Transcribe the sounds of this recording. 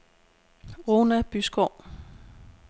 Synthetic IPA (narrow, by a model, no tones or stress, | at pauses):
ʁoːnæb̥ysɡ̥ɒʊ̰